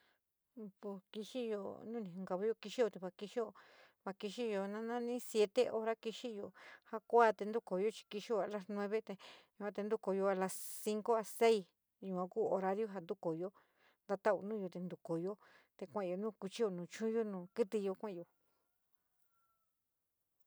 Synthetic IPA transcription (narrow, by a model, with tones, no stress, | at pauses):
po˧˨ki˧ʃi˦jo̰˧nũ˦nĩ˨hũ˧ŋɡa˧βa˧˦jo˧ki˧ʃi˦jo˧t̪e˧βa˧ki˧ʃi˦jo˧ | βa˧ki˧ʃi˦jo˧nã˦nã˦nĩ˦sje˧t̪e˦ʔo˧ɾa˦ki˧ʃi˦jo˧ha˧kʷa˦t̪e˧nd̪u˦ko˨jo˦t͡ʃi̥˧ki˧ʃi˦o˧a˧˨la˧snw̃ẽ˦βe˦t̪e˧ju˧kʷã˧t̪e˧nd̪u˦ko˧jo˧a˧la˧ssi˦ŋko˦a˧se˦i˧ | jũ˨˧kʷã˧kuː˦o˧ɾa˧ðjo˦ɦa˧nd̪u˦ko˨jo˦ | nd̪a˧t̪a˦ṵ˧nũː˦jo˧t̪e˧nd̪u˨ko˨jo˦t̪e˧kʷã˦˧o˧nũː˦˧ku˧t͡ʃi˦jo˧nũː˨t͡ʃũ˦jo˦nũː˧kɨ˦t̪i˧jo˧kʷã˦˧jo˨